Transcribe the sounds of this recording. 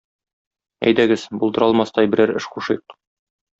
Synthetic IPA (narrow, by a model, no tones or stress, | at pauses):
æ̰jd̪æɡɘz̥bulˠd̪ɤ̆ɾɑlˠmɑst̪ɑjbɘ̆ɾæɾɘ̰ʃquʃɤq̚